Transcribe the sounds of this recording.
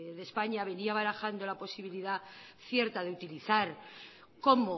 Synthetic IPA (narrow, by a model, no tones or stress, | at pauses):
ðe̞spaɲaβe̞niaβaɾaxand̪o̞lapo̞siβiliða | θje̞ɾt̪aðe̞ut̪iliθaɾ | ko̞mo